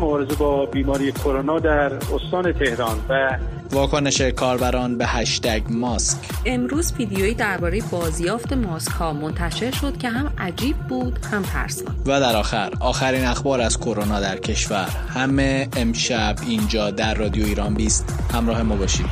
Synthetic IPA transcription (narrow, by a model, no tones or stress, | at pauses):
mobɒːɾezebɒːbiːmɒːɾijekʰoɾonɒːd̪æɾost̪ɒːnet̪ʰe̞hɾɒːnvæ | vɒːkʰone̞ʃe̞kʰɒːɾbæɾɒːnbehæʃt̪æɟmɒskʰemɾuːzfid̪ijoiːd̪æɾbɒːɾe̞jebɒːzjɒːft̪e̞mɒːskhɒːmo̞nt̪ʰæʃe̞ɾʃo̞d̪̥cʰe̞ɦæmʔæd͡ʒiːb̚ːuːd̪̥hæmt̪ʰæ̰ɾsṵvæd̪æɾɒːxæɾɒːxæɾiːnæxbɒːɾæzkʰo̞ɾonɒːd̪æɾcʰe̞ʃvæɾ | hæmeːmʃæbind͡ʒɒːd̪æɾːɒːd̪ijoiːɾɒːnbiːst̪hæmɾɒːhe̞mɒːbɒːʃḭːd̪̥